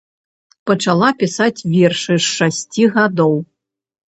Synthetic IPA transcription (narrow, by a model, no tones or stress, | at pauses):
pɐt͡ʂalˠapʲisat͡sʲvʲɛrʂɨʂːasʲt͡sʲiɣad̪ɔw